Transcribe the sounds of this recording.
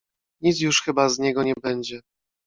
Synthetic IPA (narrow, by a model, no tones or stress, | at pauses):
ɲit̪s̬juʂxɘbazɲɛɡɔɲɛbɛɲd͡ʑɛ